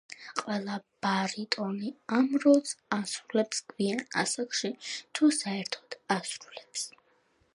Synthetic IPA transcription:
qʼwɛlˠab̥aɾit̪ʼɔniamɾɔlˠsasɾulɛpskʰviana̰sakʰʃit̪ʰusaɛɾt̪ʰɔ̥d̪̥asɾulɛps

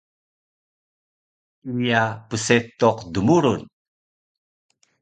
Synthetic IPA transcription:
ujapəset̪ɔqdumuɾun

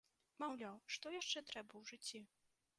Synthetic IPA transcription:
mawlʲawʂt̪ɔjaʂt͡ʂɛt̪ɾɛbɐwʐɨt͡sʲːi

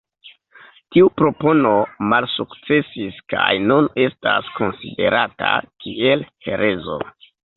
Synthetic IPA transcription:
tiupɾo̞po̞no̞malsukt͡se̞siskajnune̞stasko̞nsḭde̞̰ɾata̰kʰie̞lhe̞̰ɾʔe̞zo̞̰

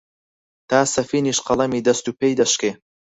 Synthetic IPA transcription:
t̪ʰaːsɐfiːniːʃqɐlˠɐmiːd̪ɐst̪upʰejd̪ɐʃkeː

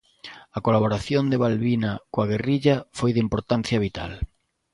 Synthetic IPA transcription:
ɐkolaβ̞oɾaθjond̪eβalβinakoaɣeriʎafojðimpoɾt̪anθjɐβit̪a̰l

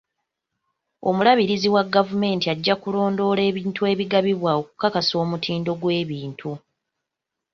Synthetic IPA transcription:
o̞̰mulaβiɾiziwaɡavume̞ːntiaɟːakulo̞ːndo̞le̞ːβiːntue̞ːβiɡaβiβwao̞ku̥kakaso̞ːmutʰiːndo̞ɡwe̞ːβiːntʰu

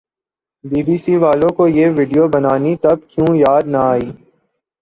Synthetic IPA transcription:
ɖiːɖiːsiʋaːlõkojeːʋɪːɖijobɐnaːnit̪ɐb̚kjũːjaːd̪nɐaːiː

